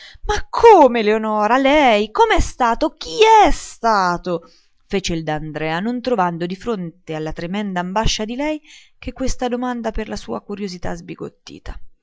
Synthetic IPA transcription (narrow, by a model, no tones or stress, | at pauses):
makʰːoːmeleonɔːɾalɛjkomeɛst̪aːt̪ok̟iɛst̪aːt̪o | feːt͡ʃeild̪and̪ɾɛːanont̪ɾovand̪od̪ifɾont̪ealːat̪ɾemɛnd̪aːmbaʃːad̪ilɛjk̟ekːwest̪ad̪omand̪aperlasṵːakuɾjozit̪a̰zbiɡo̰t̪ːḭːt̪ʰa